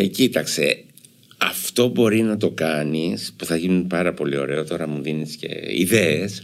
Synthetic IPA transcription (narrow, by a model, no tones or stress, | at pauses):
ecit̪ɐkse̞̰ | ɐft̪o̞bo̞ɾinɐt̪o̞kɐnispuθɐʝinunpɐɾɐpo̞lio̞̰ɾe̞o̞t̪o̞ɾɐmuðinisce̞̰ḭðe̞es